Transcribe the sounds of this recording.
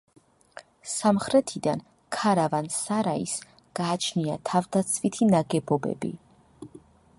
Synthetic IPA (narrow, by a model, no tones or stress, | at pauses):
samχɾɛt̪ʰid̪an | kʰaɾavansaɾaḭs | ɡ̥aːt͡ʃʰniat̪ʰavd̪at̪sʰvit̪ʰinaɡɛbɔbɛ̰bḭ